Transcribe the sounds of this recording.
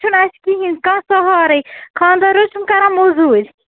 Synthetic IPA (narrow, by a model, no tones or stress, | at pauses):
t͡ʃʰunɐskiɦĩnkãːsɔɦɔːɾɐjkʰãːnd̪ɐɾot͡ʃʰumkɐɾãmozuːɾʲ